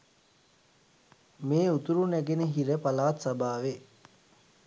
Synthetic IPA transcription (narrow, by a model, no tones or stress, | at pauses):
meːut̪uɾunæɡenəɦiɾəpalaːt̪sabaːʋe